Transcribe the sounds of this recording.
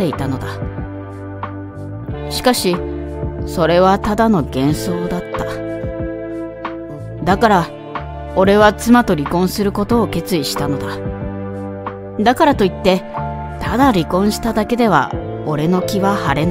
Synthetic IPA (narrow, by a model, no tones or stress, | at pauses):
e̞it̪ano̞d̪a | ɕi̥kaɕi | so̞ɾe̞βat̪ad̪ano̞ɡẽ̞ɰ̃so̞ːd̪at̪ːa | d̪akaɾa | o̞ɾe̞βat͡sɨmat̪o̞ɾʲikõ̞ɰ̃sɨɾɯ̟ko̞t̪o̞ːke̞t͡sɨiɕi̥t̪ano̞d̪a | d̪akaɾat̪o̞it̪ːe̞ | t̪ʰad̪aɾʲikõ̞ɰ̃ɕi̥t̪ad̪ake̞d̪e̞β̞a̰ | o̞ɾe̞no̞kʲiβahaɾe̞n